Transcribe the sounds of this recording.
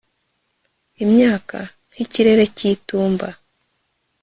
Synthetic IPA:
imɲaːkʰa | n̥hiciɾe̞ɾe̞ciːtuːmba

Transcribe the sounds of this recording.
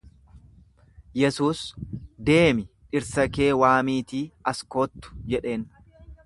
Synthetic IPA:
jɛsuːsd̪e̞ːmɪʔɪɾsɐke̞ːwaːmiːt̪iːɐsko̞ːt̪ːʊ̥d͡ʒɛᶑe̞ːn

